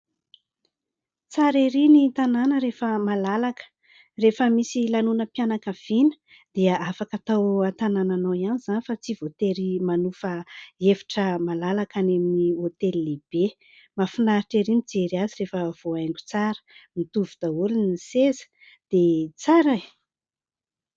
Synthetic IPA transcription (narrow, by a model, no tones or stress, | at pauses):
t͡saɾeɾinit̪ananəɾefəmalalakə̥ | refəmisilanunəpjanakav̥inə̥ | d̪̥eəafakat̪awat̪anananaianizanifat͡sivot̪eɾimanufəevi̥ʈ͡ʂəmalalakaneminiot̪elileb̥e | mafunaɾiʈ͡ʂeɾimid͡zeɾiazirefəv̥oajŋɡu̥t͡saɾə̥mit̪uvud̪aulunisezə̥ | d̪̥et͡saɾaj